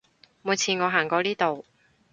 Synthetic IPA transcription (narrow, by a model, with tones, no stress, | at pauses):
mu˨˧jt͡sʰiː˨˩nŋɔː˨˧ɦaː˨˩ŋkɔː˧liː˥t̪o˨w